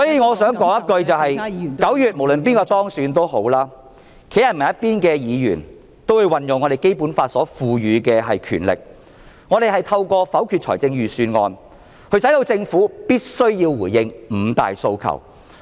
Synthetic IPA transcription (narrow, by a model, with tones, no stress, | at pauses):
sɔː˨˥jiː˧ŋɔː˨˧sœː˨˥ŋkɔː˨˥ŋjɐ˥t̚kɵ˧ɥt͡sɐ˨wɦɐ˨jkɐ˨˥wjyː˨t̚mo˨˩wlɵ˨npiː˥nkɔː˧t̪ɔː˥ŋsyː˨˧nt̪o˥wɦo˨˥wlaː˥ | kʰjɐ˨˩t̚mɐ˨˩jɐ˥t̚piː˥nkɛː˧jiː˨˧jy̰ː˨˩n | t̪o˥wu˨˧jwɐ˨njʊ˨ŋɔ˨˧ɾe˨jke˥jpuː˨˥nfaː˧t̚sɔː˨˥fuː˨˧jyː˨˧kɛː˧ɦɐ˨jkʰy̰ː˨˩nlɪ̰˨k̚ | ŋɔː˨˧ɾe˨jɦɐ˨jt̪ʰɐ˧wkʷɔː˧fɐ˨˥wkʰyː˨˧t̚t͡ʃʰɔ̰˨˩t͡sɪ˧ŋjyː˨syː˧nŋɔ̰ː˧n | hɵ˧ɥsɐ˨˥jt̪o˧wt͡sɪ˧ŋfuː˨˥piː˥t̚sɵ˥ɥjiː˧wwuː˨˩jɪ˧ŋm̩ː˨˧t̪a̰ː˨jso˧wkʰɐ̰˨˩w